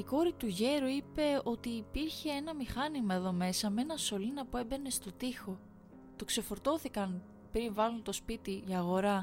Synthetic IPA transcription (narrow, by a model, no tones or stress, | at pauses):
iko̞ɾit̪uʝe̞ɾuipe̞o̞t̪iːpiɾçe̞enɐmixɐnimɐeðo̞me̞sɐmee̞nɐso̞linɐpue̞mbe̞ne̞st̪o̞t̪ixo̞ | t̪o̞kse̞fo̞ɾt̪o̞θikɐn | pɾinvɐlunt̪o̞spit̪iiɐɣo̞ɾɐ